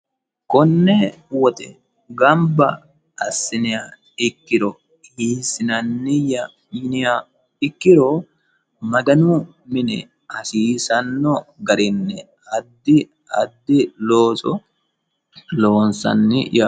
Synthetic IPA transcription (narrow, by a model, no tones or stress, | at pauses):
kɔnːɛ | wɔt̪ɛ̰ | ɡɐmbɐ | ɐsːɪnɪja | ɪkːɪɾɔ | hiːsɪnɐnːɪjɐ | jɪnɪja | ɪkːɪɾo | mɐɡɐnʊ | mɪnɛ̰ | ɐsiːsɐnːɔɡɐɾɪnːɛ | ɐd̪ːɪ | ɐ̰d̪ːɪloːsɔ | lo̞ːnsɐ̰nːɪja